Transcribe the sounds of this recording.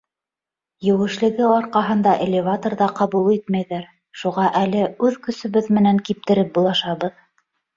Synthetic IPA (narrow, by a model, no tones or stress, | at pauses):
jɘ̆wɘ̆ʃlɘ̆ɡɘɑɾqɑɦɤ̆nd̪ɑʔelʲːɪvat̪ŏrðɑqɑβulˠit̪mæjðæɾ | ʃuʁɑʔælɘʉðkɵ̆sɵ̆βɘðmɘ̆næŋkip̚t̪ɘ̆ɾɘp̚bulˠɑʃɑβɤð